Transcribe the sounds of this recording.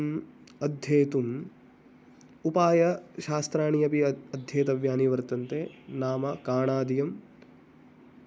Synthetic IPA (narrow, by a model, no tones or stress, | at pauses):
ɐd̪ʱjeːt̪um | upaːjɐʃaːst̪ɾaːɳijɐpiɐd̪ʱjeːt̪ɐʋjaːniʋɐɾt̪ɐnt̪eːnaːmɐkaːɳaːd̪ijɐm